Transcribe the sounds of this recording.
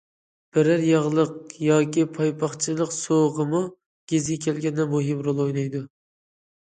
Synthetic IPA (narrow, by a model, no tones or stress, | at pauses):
b̥ɪɾæɾjɑʁlˠəq̚jɑːkʲipʰɑjpʰɑχt͡ʃʰilˠəqsoʁəmu | ɡ̥ʲezɡʲɛkʲʰɛlɡʲɛnːɛmuɦimɾolˠojlɑjd̪u